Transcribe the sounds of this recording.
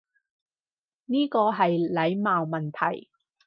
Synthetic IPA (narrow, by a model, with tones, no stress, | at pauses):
niː˥kɔː˧ɦɐ˨jlɐ˨˧˥jmaː˨wmɐ˨nt̪ʰɐ̰˨˩j